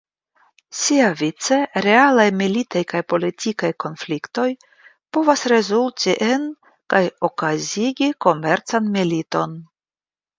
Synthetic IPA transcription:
siavit͡se̞ɾe̞alajmilitajkajpo̞litikajko̞nflikto̞j | po̞vasɾe̞zultiʔen | kajo̞kaziɡiko̞me̞ɾt͡sanmilito̞n

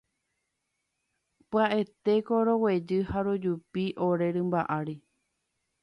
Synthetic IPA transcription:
pɨaʔet̪e̞koɾo̞we̞d͡ʒɨhaɾod͡ʒupiʔo̞ɾe̞ɾɨmbaʔaɾi

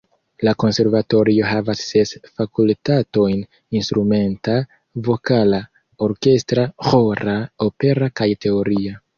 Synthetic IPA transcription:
lako̞nse̞ɾvato̞ɾio̞ɦavasːe̞sfakultato̞jn | instɾume̞nta | vo̞kala | o̞ɾke̞stɾaxo̞ɾaope̞ɾakajte̞o̞ɾia

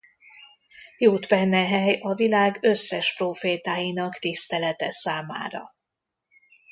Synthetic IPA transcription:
joːt̪bɛnːɛɦɛjɒvilaːɡø̞sːɛʃproːfeːt̪aːjinɒkt̪ist̪ɛlɛt̪ɛsaːma̰ːɾɒ̰

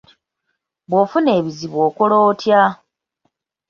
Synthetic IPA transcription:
βwofune̞ːβiziβwo̞ːkolo̞ːtja

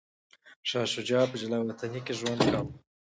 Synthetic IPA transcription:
ʃɑʃʊd͡ʒɑpəd͡ʒalɑwat̪anikeʒwand̪kaw

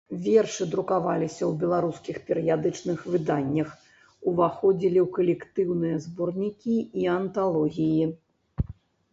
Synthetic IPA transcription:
vʲɛrʂɨd̪ɾukavalʲisʲɐwbʲɛlˠaɾuskʲixpʲɛɾɨjad̪ɨt͡ʂnɨxvɨd̪anʲːɐx | uvaxɔd͡zʲilʲiwkɐlʲɛkt̪ɨwnɨjɐzbɔrnʲikʲiiɐnt̪alˠɔɣʲiji

